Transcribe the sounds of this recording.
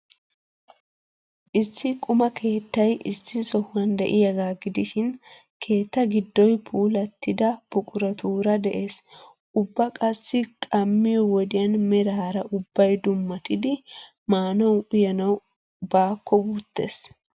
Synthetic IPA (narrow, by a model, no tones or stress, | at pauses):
ʔɪsːɪkʼʊmɐkʰe̞ːt̪ːɐjʔɪsːɪsɔhʊɐnd̪ɛ̰ʔɪjɐɡaːɡɪd̪ɪʃɪn | kʰe̞ːt̪ːɐɡɪd̪ːɔjpʰuːlɐt̪ːɪd̪ɐb̥ɔkʼʊɾɐt̪ʰuːɾɐd̪ɛʔe̞ːs | ʔʊbːɐkʼɐsːɪkʼɐmːɪjɔwɔd̪ɪjɐnmɛɾaːɾɐʔʊbːɐjd̪ʊmːɐt̪ɪd̪ɪ | maːnɐwʔʊjɐnɐw | baːkʰːɔbuːt̪ːe̞̰ːs